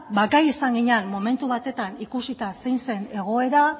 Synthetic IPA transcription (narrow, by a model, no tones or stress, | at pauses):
bakajesaŋɡiɲanmo̞me̞nt̪uβat̪e̞t̪anikusit̪asejnse̞ne̞ɣ̞o̞e̞ɾa